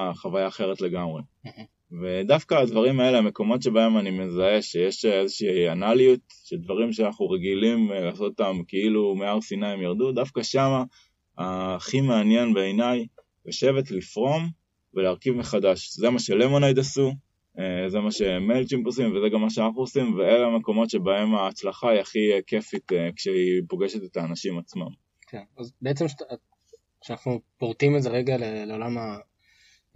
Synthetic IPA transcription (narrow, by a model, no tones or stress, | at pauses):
χavajaːχe̞ʁ̞et̪le̞ɡamʁe | ve̞d̪afkaːd̪vaʁimae̞leame̞ko̞mo̞tʃebae̞manime̞zae̞ʃejeʃezeʃiːanaliut̪ʃeld̪vaʁimʃeanaχnuʁeɡilimlaːso̞t̪ot̪amkeilumeaʁsinajemjaʁd̪ud̪afkaʃama | aχimeanje̞nbeːjnaj | joʃe̞ve̞tlifʁo̞m | veleaʁkivme̞χadaʃzemaʃe̞lemo̞najd̪asu | eze̞maʃe̞melt͡ʃimposimvezeɡamːaʃeanaχnuosimveeleame̞ko̞mo̞tʃe̞bae̞maːt͡slaχaiaχike̞fit̪ekʃeipo̞ɡe̞ʃet̪et̪aːnaʃimat͡sma̰m | kʰenazbeet͡semʃ | ʃeanaχnupoʁt̪imezeʁeɡaleleolama